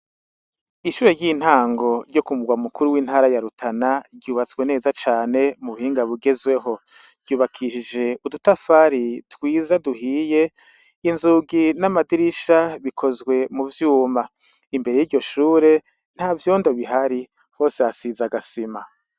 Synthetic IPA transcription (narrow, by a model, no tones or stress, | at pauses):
iʃuːɾe̞ɾjiːn̥haːŋɡo̞ɾɟo̞kumuɡwamukuɾuwiːn̥haːɾajaɾutʰanaɡɟuːβat͡swe̞ne̞ːzat͡ʃaːne̞muβuhiːŋɡaβuɡe̞zwe̞ɦo̞̥ | ɟ̥uːβakʰiʃid͡ʒe̞udutafaːɾitwiːzaduɦiːje̞ | inzuɡinamadiɾiʃaβikʰo̞zɡwe̞muvjuːma | imbe̞ɾe̞jiːɾɟo̞ʃuːɾe̞ | n̥haːvjoːndo̞βiɦaɾi | ho̞ːse̞hasizaɡasima̰